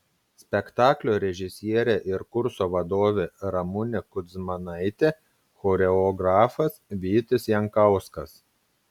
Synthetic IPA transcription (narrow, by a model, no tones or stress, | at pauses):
sʲpʲɛkt̪ɑːklʲoːɾʲɛʒʲɪsʲiɛɾʲɛʔɪɾkʊɾsoːʋɐd̪oːʋʲeːɾɐmʊnʲɛkʊd̪smɐnɐɪt̪ʲe | xɔːɾʲɛɔɡɾɑːfɐsʋʲiːt̪ʲɪsjɛŋkɐʊskɐs